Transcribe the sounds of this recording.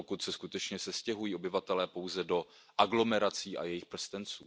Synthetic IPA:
okut̪sɛskut̪ɛt͡ʃɲɛsɛscɛɦujiːo̞bɪvat̪ɛlɛːpowzɛdo̞ | ʔaɡlo̞mɛɾat͡siːʔa̰jɛjɪxpr̩st̪ɛnt͡suː

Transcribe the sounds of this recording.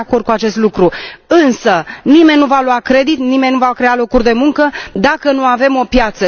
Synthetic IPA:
kord̪̚kuat͡ʃe̞st̪lukɾuɨnsənime̞nʲːnuvaluakɾe̞d̪it̪nime̞nʲnuvakɾe̞alo̞kurʲd̪e̞muŋkəd̪akənuave̞mo̞pjat̪sə

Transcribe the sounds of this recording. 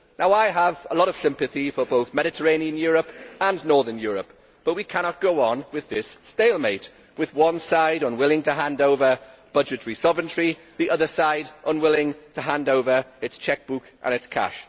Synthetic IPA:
naʊaɪəvəlɔɾəv̥sɪ̃mpɨθifəboʊθmɛɾɪtʰəɹẽɪ̃niə̃njɔːɹəpə̃nnɔɹðə˞njɔːɹəp | b̥ʌt̚wikʰañət̚ɡ̥oʊə̃nwɪðɪsːteɪlˠmeɪʔ | wɪðwʌ̃nsaɪɾə̃nwɪlˠɪ̃ŋtʰəɦãndoʊvəb̥ʌd͡ʒɨtəɹisɒvə̃ntɹi | ðiʔʌðəsaɪdʔə̃nwɪlɪ̃ŋtʰəɦãndoʊvə˞ɪtst͡ʃʰɛk̚b̥ukʔə̰̃ñɨtskʰa̰ʃ

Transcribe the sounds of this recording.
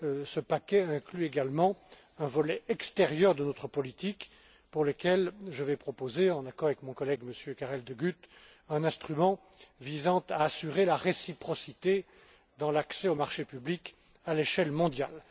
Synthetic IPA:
səpakʲɛɛ̃klyeɡalmɑ̃ | ɛ̃vɔlɛʔɛkst̪ɛʁjœʁd̪ənɔt̪χəpɔlit̪ik | puʁləkʲɛlʒəvɛpχɔpozeɑ̃nakɔʁavɛkmɔ̃kɔlɛɡməsjøkaʁɛld̪əɡʲyt̪ | ɛ̃nɛ̃st̪χymɑ̃ | vizɑ̃t̪aːsyʁelaʁesipχɔsit̪e | d̪ɑ̃laksɛomaʁʃepyblik | aleʃɛlmɔ̃d̪ja̰l

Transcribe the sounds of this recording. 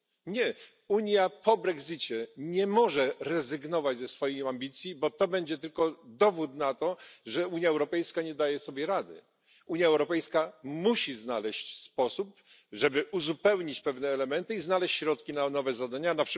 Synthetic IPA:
ɲɛ | uɲjapɔbɾɛɡzit͡ɕɛɲɛmɔʐɛɾɛzɘɡnɔvad͡ʑzɛsfɔjiambʲit̪sʲjibɔt̪ɔbɛɲd͡ʑɛt̪ɘlkɔd̪ɔvut̪nat̪ɔʐɛuɲjaɛwɾɔpɛjskaɲɛd̪ajɛsɔbʲjɛɾad̪ɘ̰ | uɲjaɛwɾɔpɛjskamuɕiznalɛɕt͡ɕspɔsup̚ | ʐɛbɘʔuzupɛwɲit͡ɕpɛvnɛːlɛmɛnt̪ɘiznalɛɕt͡ɕːɕɾɔt̪kʲinanɔvɛzad̪aɲanapʂ

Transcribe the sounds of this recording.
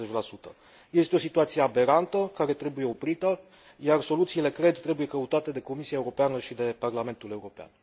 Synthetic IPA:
et͡ʃʲlasut̪ə̰ | je̞st̪eo̞sit̪uat̪sijeabe̞ɾant̪əkaɾe̞t̪ɾe̞buje̞o̞pɾit̪ə | jarso̞lut̪siːle̞kɾe̞d̪t̪ɾe̞buje̞kəut̪at̪e̞d̪e̞ko̞misiaeuɾo̞peanəʃid̪e̞parlame̞nt̪ule̞uɾo̞pea̰n

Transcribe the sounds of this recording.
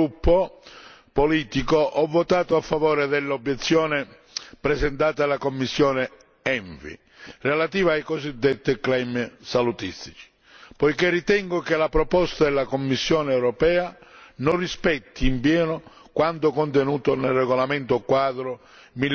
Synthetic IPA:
upːo | poliːt̪ikoʔɔvːot̪aːt̪oafːavɔːɾɪd̪ɪlːobːjɛt̪sːjɔːnɪ | pɾɛsɛnt̪aːt̪alːakomːisːjɔːne | ɛɱvḭ | relat̪iːvaajkɔzid̪ːet̪ːiklɛmsalut̪ist̪i̥t͡ʃi̥ | pɔjkerːit̪ɛŋɡʊkelapɾɔpɔst̪ad̪ɛlːakomːisːjɔːnɛwɾɔpɛːanʊnrispɛt̪ʰːiːmpjɛːnʊ | kwant̪ʊkont̪ɛnuːt̪onelrːɛɣolament̪okwaːd̪ɾʊ | mil

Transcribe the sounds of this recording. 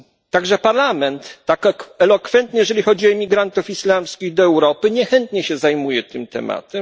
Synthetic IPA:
t̪aɡʐɛpaɾlamɛnt̪ːakkɛlɔkfɛnt̪ɲɛjɛʐɛlʲixɔd͡ʑiɔimʲiɡɾant̪ufislamskʲiɣd̪ɔɛwɾɔpɘɲɛxɛnt̪ɲɛɕɛzajmujɛt̪ɘmt̪ɛ̰ma̰t̪ɛm

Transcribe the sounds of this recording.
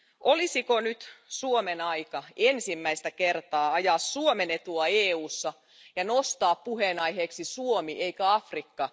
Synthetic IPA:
ʔolisikonyt̪suomenɑjkɑensimːæist̪ækert̪ɑːɑjɑːsːuomenet̪uɑeːuːsːɑ | jɑnost̪ɑːppuhenɑjɦeːksisuomiʔeikæɑfrikːɑ

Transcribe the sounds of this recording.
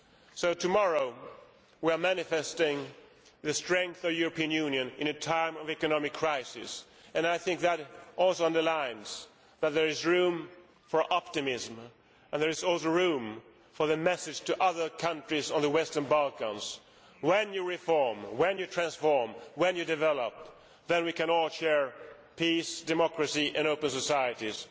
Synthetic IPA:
soʊtʰɨmɑɹoʊ | wiə˞mænɨfɛstɪ̃ŋ | ðɨstɹ̥ɛ̃ŋk̚θʌvjʊɹɨpiɨ̃njʉ̃njɨ̃nɨ̃nɨtʰãɪ̃mʌvɛkɨnɑmɨkʰːɹ̥aɪsɪ̰s | ɨ̃naɪθɪ̃ŋk̚ðɨɾʔɔlˠsoʊʌ̃ndə˞lãɪ̃nz̥ | ðət̪̚ðə˞ɨzɹʉ̃m | fə˞ʔɑp̚tɨmɪzm | ɨ̃nðə˞ɨzɔlˠsoʊɹũm | fə˞ðɨmɛsɨ̥ʒ̥tʰɨʔʌðə˞kʰʌ̃nt͡ʃɹ̥izn̩ðəwɛstə̃˞nbʌlˠkə̃nz̥ | wɛ̃njɨɹɪfɔɹmwɨ̃njɨtʰɹ̥æ̃nsfɔɹmwɨ̃njɨdɨvɛlˠəp̚ | ðɨ̃nwikɨ̃nɔlʃɛɹ | pʰisd̥ɨmɑkɹɨsiʔɨ̃noʊpɨ̃n̩səsaɪɨɾiz̥

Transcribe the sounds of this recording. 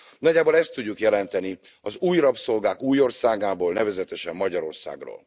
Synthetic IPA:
nɒɟːaːbolɛst̪ːuɟːukjɛlɛnt̪ɛni | ɒzuːjrɒpso̞lɡaːkuːjo̞rsaːɡaːboːlnɛvɛzɛt̪ɛʃɛmːɒɟɒɾo̞rsa̰ːɡro̰ːl

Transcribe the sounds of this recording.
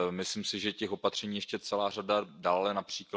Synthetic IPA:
mɪsliːmsɪʒɛcɛxo̞pat̪r̥ɛɲiːjɛʃcɛt͡sɛlaːradadaːlɛnapr̝̥iːkl

